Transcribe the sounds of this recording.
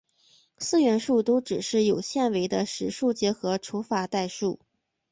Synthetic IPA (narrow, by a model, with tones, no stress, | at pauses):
sɹ̩˥˧ɥɛ˧˥nʂu˥˩t̪o˥ʊʈ͡ʂɻ̩˨˩ʂɻ̩˥˩jo˨˩ʊɕjɛ˥˩nwe˧˥ɪd̪ə˧ʂɻ̩˧˥ʂu˥˩t͡ɕjɛ˧˥xɤ˧˥ʈ͡ʂʰu˧˥fa˨˩t̪a˥˧ɪʂu˥˩